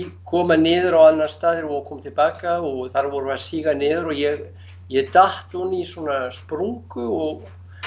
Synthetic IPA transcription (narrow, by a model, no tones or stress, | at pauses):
kʰɔːmanɪːðʏɾawanːaɾst̪aːðɪɾvɔkʰɔːmt̪ʰɪlpaːkaɔɣθaɾvɔɾʏvasiːɣanɪːðʏɾɔɣjɛɣ | jɛɣt̪aht̪uniisɔːnaspɾuŋkʏɔɣ